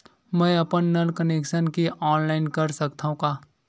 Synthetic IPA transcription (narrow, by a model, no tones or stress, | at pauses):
mɛ̃ːɐpənːɐlkəneːkʃənkiʔɔːnlaːɪnkɐɾsɐkt̪aɦũkaː